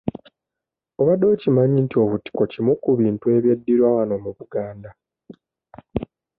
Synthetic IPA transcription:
o̞βadːo̞cimaɲintio̞βuti̥kocimukuβiːntue̞βjedːiɾwawano̞muβuɡaːnda

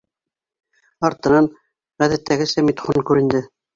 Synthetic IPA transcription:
ɑɾt̪ɤ̆nɑn | ʁæðæt̪ːæɡɘsæmit̪χunkʉɾɘ̆nd̪ɘ

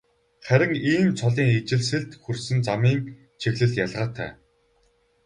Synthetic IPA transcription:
χæɾʲɪ̆ŋiːmt͡sʰɔɮiːŋit͡ɕɪ̆ɮs̬ɘ̆ɮt̪xursɘ̆nt͡samiːŋ | t͡ɕʰeɣɮɘ̆ɮjaɮʁaːt̪ʰæ̰ː

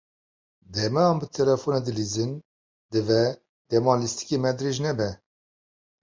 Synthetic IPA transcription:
d̪ɛmɛɑmbɨt̪ʰɛlɛfoned̪ɨlizɨn | d̪ɨvɛ | d̪̥ɛmɑlist̪ʰi̥kemɛd̪ɾeʒnɛbɛ

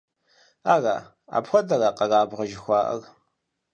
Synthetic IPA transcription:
aːɣa̰ː | a̰ːbxʷɔdɐraːqɐɣaːbʁɐʒɪxʷɑːʔɐ̰r

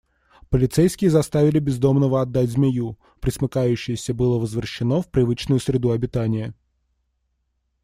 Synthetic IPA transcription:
pəlʲɪt̪sejskʲɪjəzɐst̪avʲɪlʲɪbʲɪzd̪o̞mnəvəɐd̪ːatʲzmʲɪju | pɾʲɪsmɨkajʉɕːɪjəsʲəbɨlˠəvəzvɾəɕːɪno̞fpɾʲɪvɨt͡ɕnʊjʊsɾʲɪd̪uɐbʲɪt̪anʲɪjə

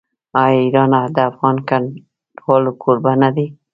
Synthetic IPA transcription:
ɑjiɾɑnad̪aafɣɑnkan | ʈwɑlukʰoɾbanad̪i

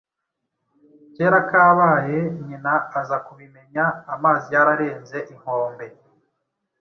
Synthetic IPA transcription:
ceːɾakaːβaːje̞ɲinaːzakuβime̞ɲaːmaːzijaɾaɾe̞ːnze̞ʔiŋ̥o̞ːmbe̞

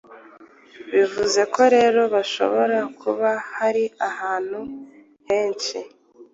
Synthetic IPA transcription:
βivuze̞kʰo̞ɾe̞ːɾo̞βaʃo̞̰βo̞ɾakʰuβahaɾiahaːn̥hu | he̞ːnt͡ʃi

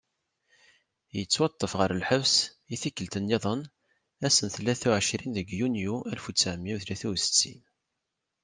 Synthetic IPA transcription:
jət͡sːwɑt̪ˤːəfʁəɾəlħəvs | iθikːəlt̪ənjeðˤən | æsənθlːæθuʕəʃɾinðəɡjunjuʔælfut͡sːæʕmːiwθlæθusə̥t͡sːḭn

